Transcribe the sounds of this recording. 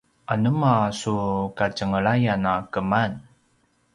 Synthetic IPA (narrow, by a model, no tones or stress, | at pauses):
ʔanəmasukacəŋəɭajanakəman